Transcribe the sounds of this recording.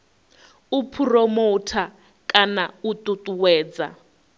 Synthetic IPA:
upʰurɔmotʰa | kʼanautʼutʼuwɛːd͡za̰

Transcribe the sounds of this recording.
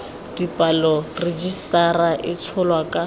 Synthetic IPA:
d̥ipʼalɔred͡ʒistʼaraʔɪt͡sʰɔlwakʼa

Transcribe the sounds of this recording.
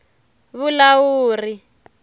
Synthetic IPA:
βulawuːri

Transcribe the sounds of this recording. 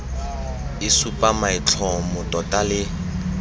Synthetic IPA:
ɪsupʼamaɪt͡ɬʰɔmʊtʼɔtʼalɪ

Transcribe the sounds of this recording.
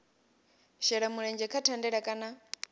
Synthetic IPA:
ʃɛɺamuɺɛnd͡ʒɛkʰatʰandɛɺakʼana

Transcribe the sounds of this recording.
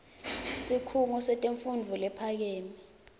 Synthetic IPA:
sikʰuŋɔsɛtʼeɱfundʱulɛpʰak̬eːmi

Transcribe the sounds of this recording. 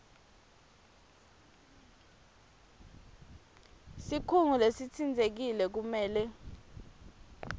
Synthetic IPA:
sikʰuŋulesit͡sʰind͡zʱek̬ilɛk̬umɛːlɛ

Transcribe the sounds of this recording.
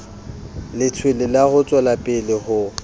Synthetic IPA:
lɪt͡sʰwelɪlahʊt͡sʼwalapʼɪlɪhʊ

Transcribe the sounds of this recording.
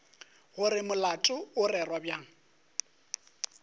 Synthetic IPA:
ɣʊrɪmʊlatʼʊʊrɛrwabjaːŋ̩

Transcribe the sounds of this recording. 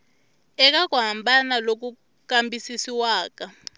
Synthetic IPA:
ɛk̬ak̬uɦambanalok̬u | kambisisiwaːk̬a

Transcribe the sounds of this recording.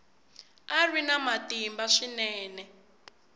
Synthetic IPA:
arwinamatimbaʂinɛːnɛ

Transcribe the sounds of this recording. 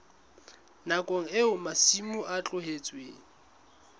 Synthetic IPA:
nakʼoŋ̩eʊmasimʊʔat͡ɬʼʊɦet͡sʼweːŋ̩

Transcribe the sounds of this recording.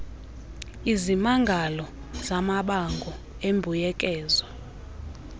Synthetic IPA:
izimaŋɡʱalɔ | zamaɓaŋɡʱɔ | embʱujɛkʼɛːzwa

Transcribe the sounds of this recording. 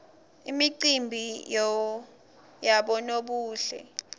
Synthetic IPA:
imiǀimbʱijɔ | jaɓɔnoɓuːɬɛ̰

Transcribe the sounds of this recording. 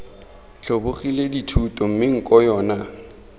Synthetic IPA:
t͡ɬʰobʊχileditʰutʼɔm̩mɪŋ̩kʼɔjɔːna

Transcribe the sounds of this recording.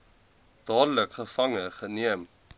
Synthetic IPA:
d̥ɑːdələkχəfɐŋəχəniəm

